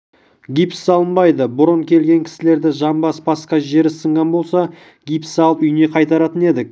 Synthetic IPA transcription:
ɡʲipssɑlˠənbɑjd̪əbʊɾəŋkʲʰe̞lɡʲe̞ŋkʲʰɪ̥sɪle̞ɾd̪ɪʒɑmbɑsbɑsqɑʒe̞ɾɪsəɴʁɑnbo̞lˠsɑ | ɡʲipsɑlˠʏjne̞qʰɑjt̪ɑɾɑt̪əne̞d̪ɪk̚

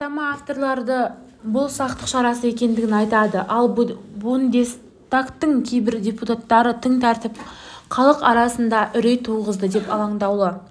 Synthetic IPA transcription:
t̪ɑmɑaft̪o̞ɾlˠɑɾd̪ə | bʊlˠsɑqt̪əqʃɑɾɑsəje̞kʲe̞nd̪ɪɡʲɪnɑjt̪ɑd̪əʔɑlˠbʊnd̪e̞s | t̪akt̪ːəŋkʲʰejbɪɾdʲe̞put̪at̪ːɑɾət̪ʰəŋt̪ʰæɾt̪ɪp̚ | qʰɑlˠəqɑɾɑsənd̪ɑʔʏɾe̞jt̪ʰːuʁəzd̪əd̪e̞pɑlˠɑɴd̪ɑwlˠə

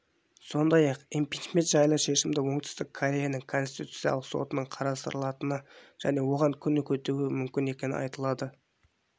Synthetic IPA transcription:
so̞nd̪ɑjɑqempijt͡ʃme̞nt̪ʒɑjlˠəwʃe̞ʃɪmd̪ɪwo̞ɴt̪ʏ̥st̪ɪkʰːoɾʲejanəŋkʰo̞nst̪it̪u̥t̪sijɑ̰lˠəqso̞̰t̪ənəɴqʰɑɾɑst̪əɾəlˠɑt̪ənəʒ̥æne̞wo̞ʁɑŋkʲʰʏnɪkʲʰɵt̪uɪmʏmkʲɪne̞kʲe̞nɪ̰ɑ̰jt̪əlˠɑd̪ə

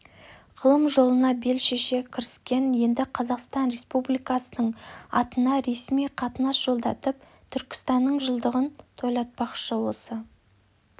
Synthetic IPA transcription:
qʰəlˠəmʒo̞lˠənɑbe̞lʃeʃe̞kʲʰɪɾɪskʲe̞nje̞nd̪ɪqʰɑzɑqst̪ɑnɾe̞spublijkɑsənəɴɑ̰t̪ənɑɾe̞smijqʰɑt̪ənɑsʒ̥o̞lˠd̪ɑt̪əp̚ | t̪ʰʏɾkʲɪ̥st̪ɑnːəɴʒəlˠd̪əʁənt̪ʰo̞jlˠɑt̪̚pɑqʃəwo̞sə

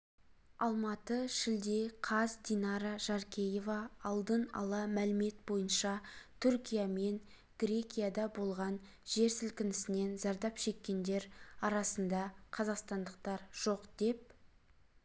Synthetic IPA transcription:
ɑlˠmɑt̪əʃɪld̪e̞qʰɑzd̪inɑɾɑʒ̥ɑɾkʲʰe̞je̞vɑːlˠd̪ənɑ̰lˠɑmælɪme̞t̪̚bo̞jənʃɑt̪ʰʏɾkʲijame̞n | ɡ̥ɾʲe̞kʲijad̪ɑbo̞lˠʁɑn | ʒe̞ɾsɪlkʲɪnɪsɪne̞nzɑɾd̪ɑpʃe̞kʲːe̞nd̪e̞ɾɑɾɑsənd̪ɑqʰɑzɑqst̪ɑnd̪əq̚t̪ɑɾʒ̥o̞qd̪e̞p̚

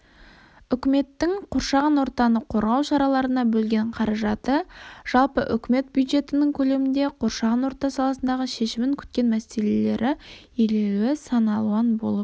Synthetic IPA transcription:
ʏkʲɪme̞t̪ːɪŋqʰoɾʃɑʁɑnwo̞ɾt̪ɑnəqʰo̞ɾʁɑwʃɑɾɑlˠɑɾənɑbɵlɡʲe̞ɴqʰɑɾɑʒɑt̪əʒ̥ɑlˠpəʔʏ̰kʲɪme̞t̪̚bjujd̪ʒe̞t̪ɪnɪŋkʲʰɵle̞mɪnd̪e̞qʰo̞ɾʃɑʁɑnwo̞ɾt̪ɑsɑlˠɑsənd̪ɑʁəʃe̞ʃɪmɪŋkʲʰʏ̥t̪̚kʲe̞nmæse̞le̞le̞ɾʔɪ | elewɪsɑnɑlˠuɑnbo̞̰lˠəp

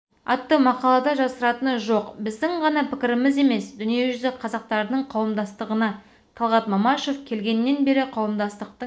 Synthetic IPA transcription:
ɑt̪ːəmɑqɑlˠɑd̪ɑʒɑsəɾɑt̪ənʒoqbɪzd̪ɪŋʁɑnɑpʰɪkʲɪɾɪmɪze̞me̞sd̪ʏnije̞ʒʏzɪqʰɑzɑq̚t̪ɑɾd̪əɴqʰɑwəmd̪ɑst̪əʁənɑ | t̪ʰɑlˠʁɑt̪mɑmɑʃo̞fkʲʰe̞lɡʲe̞nɪːe̞nbe̞ɾɪqʰɑwəmd̪ɑst̪əq̚t̪ə

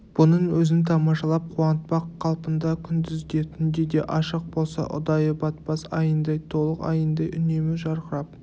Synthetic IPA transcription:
b̥ʊnəɴwɵzɪnt̪ʰɑmɑʃɑlˠɑp̚qʰuwɑnət̪̚pɑqʰːɑlˠpənd̪ɑkʲʰʏnd̪ɪzd̪e̞t̪ʰʏɪnd̪e̞d̪e̞ʔɑʃəq̚bo̞lˠsɑ̰ʔʊ̰d̪ɑjəbɑt̪̚pɑsɑjənd̪ɑjt̪ʰo̞lˠəqɑ̰jənd̪ɑjʔʏne̞mɪʒɑɾqəɾɑp̚

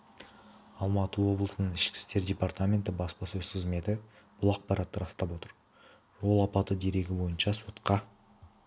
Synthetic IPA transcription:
ɑlˠmɑt̪əwo̞blˠəsənəɴɪʃkʲɪ̥st̪e̞ɾd̪ʲe̞part̪amʲe̞nt̪ɪbɑspɑsɵzsʰɪzme̞t̪ɪ | b̥ʊlˠɑq̚pɑɾʔɑt̪ːəɾɑst̪ɑpwo̞t̪əɾ | ʒo̞lˠɑpɑt̪əd̪e̞ɾe̞ɡʲɪbo̞jənʃɑso̞t̪qɑ

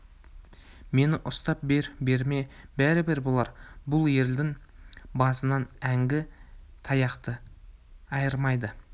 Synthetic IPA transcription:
me̞nɪʔʊst̪ɑp̚beɾbe̞ɾme̞bæɾɪbeɾbolˠɑɾbʊlˠje̞ld̪ɪŋbɑsənɑnæŋɡʲɪt̪ʰɑjɑqt̪ə | ɑjəɾmɑjd̪ə

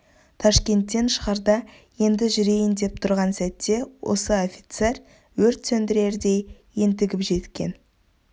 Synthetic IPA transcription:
t̪ʰɑʃkʲe̞nt̪ːe̞nʃə̥ʁɑɾd̪ɑ | je̞nd̪ɪʒʏɾe̞jɪnd̪e̞p̚t̪ʰʊɾʁɑnsæt̪ːe̞wo̞̰səo̞fʲit̪se̞ɾ | wɵɾt̪sɵnd̪ɪɾe̞ɾd̪e̞j | jent̪ɪɡʲɪpʒe̞t̪kʲe̞̰n

